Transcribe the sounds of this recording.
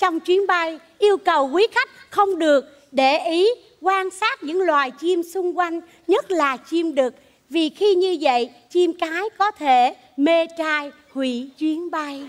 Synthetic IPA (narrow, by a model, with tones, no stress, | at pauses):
t͡ɕɔ˧wŋ͡mt͡ɕwi˨˦ənɓa˧j | ʔi˧əwkə˨˩wkwi˨˦xa˦˥jk̟̚xə˧wŋ͡mɗɨ˨˩ək̚ | ɗe˧˩ʔi˨˦ | kwaː˧nsaː˦˥t̚ɲɨ̰˧˥ŋlwaː˨˩jt͡ɕi˧msʊ˧ŋ͡mkwa˧jŋ̟ | ɲə˦˥t̚laː˨˩t͡ɕi˧mɗɨ˨˩k̚ | vi˨˩xi˧ɲɨ˧və̰˧˨j | t͡ɕi˧mkaː˨˦jkɔ˨˦t̪ʰe˧˩ | me˧t͡ɕaː˧j | hwḭ˧˩˨t͡ɕwi˨˦ənɓa˧j